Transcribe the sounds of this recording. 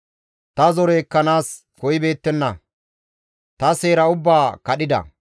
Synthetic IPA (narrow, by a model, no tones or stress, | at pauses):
t̪ɐzɔɾeːkːɐnaːs | kɔjɪbe̞ːt̪ːɛnːɐ | t̪ɐse̞ːɾɐʊbːaːkɐɗɪd̪ɐ̰